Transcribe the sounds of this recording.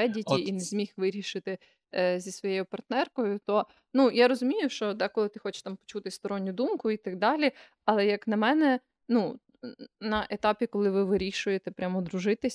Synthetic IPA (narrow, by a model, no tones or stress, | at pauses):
ɛdʲit̪ʲiinezʲmʲixʋɪɾʲiʃɪt̪ɪ | zʲisʋɔjejʊpɐrt̪nɛrkɔjʊt̪ɔ | nujaɾɔzʊmʲijʊʃt͡ʃɔd̪ɛkɔlˠɪt̪ɪxɔt͡ʃɪ̥ʃt̪ɑmpɔ̥t͡ʃut̪ɪst̪ɔɾɔnʲːʊd̪umkʊit̪ɐɡ̚d̪ɑlʲi | ɐlˠɛjɐknɐmɛnɛ | nu | nɐʔet̪ɑpʲikɔlˠɪʋɪʋɪɾʲiʃʊjet̪ɛpɾʲamɔd̪ɾʊʒɪt̪ɪsʲ